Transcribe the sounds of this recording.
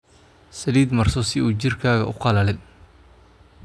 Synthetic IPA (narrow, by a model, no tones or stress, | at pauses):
sɐliːd̪mɐrsɔsɪuːt͡ʃɪrkʰaːɣɐ̰ʔʊqɑlɐlɪn